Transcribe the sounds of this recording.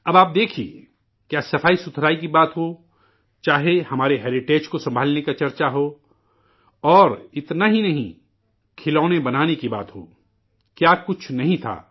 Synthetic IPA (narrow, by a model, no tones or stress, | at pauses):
ɐbaːp̚d̪eːkʰiḛ | kjaːsɐfaːisʊt̪ʰɾaːikibaːt̪ɦo | t͡ʃaːɦehɐmaːɾeɦɛːɾɪʈeːd͡ʒkosɐ̃mbʱaːlnekat͡ʃɐɾt͡ʃaɦoː | ɔːɾɪt̪naɦinɐɦĩ | kʰɪlɔːnebɐnaːnekiba̰ːt̪ɦo̰ː | kjaːkʊt͡ʃʰnɐɦĩt̪ʰa̰ː